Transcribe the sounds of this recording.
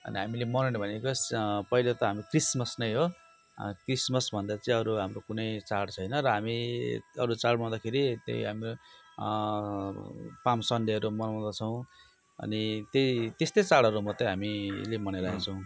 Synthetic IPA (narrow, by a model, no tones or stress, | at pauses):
ʌ̰niɦamilemʌnenbʱʌnekospʌilot̪ʌɦamikrismʌsnʌjɦo | krismʌsbʱʌnd̪at͡saĩʌɾuɦamɾokunʌjt͡saɽt͡sʰʌjnʌɾʌɦamiʌɾut͡saɽmãw̃d̪akʰeɾit̪ḛjɦami | pamsʌɳɖeʌɾumʌnaw̃d̪at͡sʰʌw̃ | ʌ̰nit̪eit̪est̪ʌjt͡saɽʌɾumʌt̪ʌɦamilemʌneɾaet͡sʰʌ̃w̃